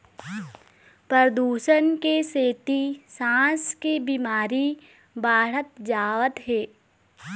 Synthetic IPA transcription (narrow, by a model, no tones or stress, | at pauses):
pɾəɾəd̪uːʃənkeseːt̪isãːskebimaːɾi | bʱaːɽət̪d͡ʒaːʋət̪ɦeː